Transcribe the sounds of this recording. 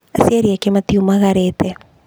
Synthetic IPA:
asiaɾiakemat̪iumaɣaɾet̪e

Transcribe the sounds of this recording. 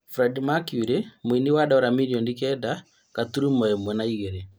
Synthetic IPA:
fɾɛdmakjuɾemwiniwadaɔɾamiɾiɔndikɛda | kat̪uɾumɔjɛmwɛnaiɣɛɾɛ

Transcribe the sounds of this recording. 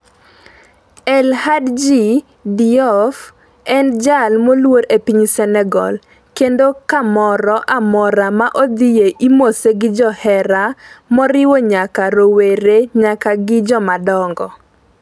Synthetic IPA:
ɛlhadd͡ʒi | diɔf | ɛnd͡ʒalmolwoɾepiɲsɛnɛɡɔ̰l | kendokamɔɾɔʔamɔɾamaʔod̪ɪjeʔimoseɡɪd͡ʒɔhɛɾamɔɾɪwɔɲakaɾoweɾeɲakaɡɪd͡ʒɔmadɔŋɡɔ

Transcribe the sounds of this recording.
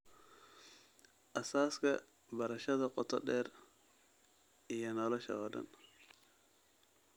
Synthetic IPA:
ʔɐsaːskɐ | bɐɾɐʃɐðɐqʼɔt̪ɔ̰ɗɛɾ | ijɐnɐlɔʃɐ̰ɣɐdɐ̰n

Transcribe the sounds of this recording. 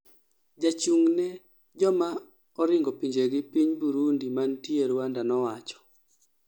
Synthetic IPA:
d͡ʒat͡ʃuŋne | d͡ʒɔma | ɔɾɪŋɡɔpiɲd͡ʒeɡɪpiɲbuɾundimantjeɾwandanɔwat͡ʃɔ̥

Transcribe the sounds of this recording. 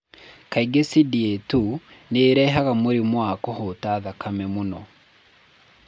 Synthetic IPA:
kaiɡesidietuneːɾɛːɦaɣamoɾimwakɔhotaːðakamɛmunɔ

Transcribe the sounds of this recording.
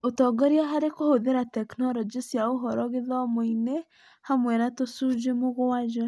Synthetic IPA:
otɔɡɔɾiaɦaɾekohoðeɾatɛknɔɾɔd͡ʒisjaoɦɔɾɔɣeðɔmoine | hamwɛnatosud͡ʒemoɣoad͡ʒɔ

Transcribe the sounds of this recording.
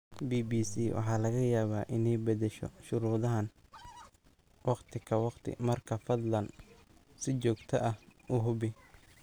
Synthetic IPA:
biːbiːsiːwʔɑ̰ħɑːlɐɣɐjaːβaːʔɪnɛjbɐd̪ɛʃɔ̰ʃʊɾuːðɐɦɐn | wɑqt̪ʰɪkʰɐwɑqt̪ʰɪ̰mɐrkʰɐfɐd̪lɐn | sɪt͡ʃɔːɡt̪ʰɐʔɐhʊːɦʊbɪ

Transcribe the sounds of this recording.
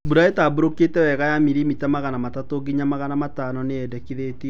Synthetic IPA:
buɾaetaːboɾoketɛwɛɣajamiɾimitamaɣanamatatoɡiɲamaɣanamataːnɔneɛdɛkiðeːte

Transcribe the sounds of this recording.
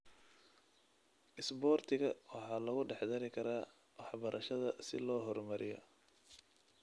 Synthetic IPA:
ʔɪsbɔːrt̪ʰɪɣɐwɑħɑːlɐɣʊɖɛħd̪ɐɾɪkʰɐɾaː | wɑħbɐɾʔɐʃɐðɐsɪ̰lɔːɦɔrmɐɾɪjɔ̰

